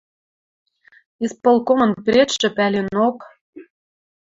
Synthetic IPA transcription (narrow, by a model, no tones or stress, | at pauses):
ispolˠkomɤ̆npʲɾʲet͡ɕʒɘ̆pælʲenop